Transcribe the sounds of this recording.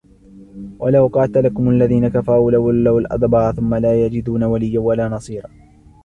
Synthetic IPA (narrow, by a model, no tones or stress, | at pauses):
walawqɑːt̪lakʊmʔalːaðiːnakafaɾuːlawʊlːawalʔɑ̰d̪ˤbɑːʔθʊmːalaːjad͡ʒɪd̪uːnawalɪjːawalaːnɑsˤiːɾˤɑː